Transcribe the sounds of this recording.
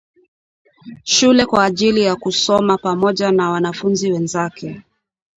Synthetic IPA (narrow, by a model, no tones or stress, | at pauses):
ʃulɛkwaːʄilijakusɔmapamɔʄanawanafunziwɛnzakʰɛ